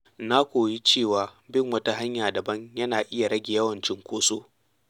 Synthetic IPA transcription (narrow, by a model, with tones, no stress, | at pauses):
na˦kʷoː˨ji˦t͡ʃeː˦˨waː˨bɪ˦ŋwɐ˦ta˦ɦa˦ɲjaː˨dɐ˨bɐ˦ɲjɐ˦naː˨ʔɪ˦ja˨ɾɐ˦ɡʲe˨jɐ˦wɐ˨nt͡ʃɪ˦ŋkʷoː˦soː˦